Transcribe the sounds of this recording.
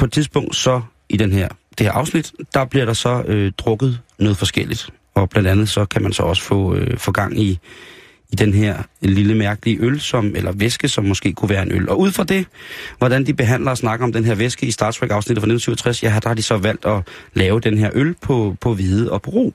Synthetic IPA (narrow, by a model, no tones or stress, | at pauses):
pʰɒ̽e̥t͡sʰiðˠsb̥ɔ̽ŋ̰d̥sɒ̽ | ʔid̥enɦeɐ̰d̥e̝hḛɐʔɑ̈ʊsnid̥d̥ɑ̈b̥liɐɾ̥ɑ̈sɒ̽ød̥ʁɔ̽ɡ̥ð̞̩ˠnɔ̽ːð̩ˠfɒ̽sɡ̥el̰id̥ | ɒ̽b̥lænd̥ænð̩ˠsɒ̽kʰæmænsɒ̽ɒ̽sə̥fɔ̰̽ːøfɔ̽ːɡ̥ɑ̈ŋ̰i | id̥enɦeɐ̰liləmæɐɡ̥əliəʔølsɒ̽melɐʋesɡ̥əsɒ̽mːɒ̽sɡ̥e̝̰ːkʰuʋæːɐe̝nølʔɒ̽ʔuð̰ˠfʁɑ̈d̥e̝ʋɒɾ̥ænd̥ib̥e̝ɦæn̰lɐɒsnɑ̈ɡ̥əɒ̽md̥enɦe̝ɐ̰ʋesɡ̥əisd̥ɑ̈ːd̥t͡sʰʁɛɡ̥ɑ̈ʊsnidð̩ˠfɒne̝̥nm̩syʊɒt͡sʰʁasjæɑd̥ɑ̈hɑ̈d̥isɒ̽ʋæl̰d̥ɒ̽lɛːʊəd̥enəɦeɐ̰ʔølpʰɒ̽pʰɒ̽ʋiːðˠəɒ̽pʰɒ̽ʁo̝̰ː